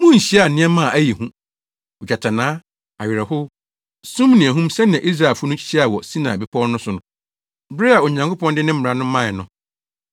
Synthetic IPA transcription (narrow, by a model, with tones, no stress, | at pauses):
mũ˦ɲ̩˨ɕi˦a˨nɪ̃˦ɛ˦mã˦˨ʔæ˦ji˨hũ˦ | ʊ˨d͡ʑa˨tʰa˨nãː˦ | a˨ɥɪ˨ɾɛ˨ɦʊ˦ | sũ˦mnɪ̃˨æ˨ɦũ˦msɛ̃˦nɪ̃˨ã˨i˦s̬ɾa˨e˨fʊ˦nʊ̃˦t͡ɕʰi̥˦ɕi˦a˨wɔ˨sĩ˦nã̰˨bɪ˦pʰɔ˦nʊ̃˦sʊ˨nʊ̃˨˦ | bɾɪ˦a˨o˨ɲã˨ŋkʰo˦pɔ̃˦ndɪ̃˦nɪ̃˦m̩˦m̩˨ɾa˨nʊ̃˦mã˦˨ɛ˨nʊ̃˨